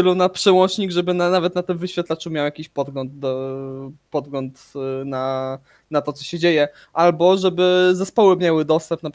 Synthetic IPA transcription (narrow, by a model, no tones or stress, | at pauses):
ɘlunapʂɛwɔnt͡ʂɲiɡʐɛbɘnanavɛt̪nat̪ɘmvɘɕfʲjat̪lat͡ʂumʲjawjakʲiɕpɔd̪̚ɡlɔnd̪̚ɔ | pɔd̪̚ɡlɔnt̪na | nat̪ɔt̪sɔɕɛd͡ʑejɛ | ʔalbɔʐɛbɘzɛspɔwɘmʲjawɘd̪ɔst̪ɛmpna